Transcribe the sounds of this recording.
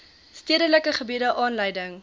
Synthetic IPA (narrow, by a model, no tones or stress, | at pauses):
stiədələkəχəbidəʔɑːnləjdəŋ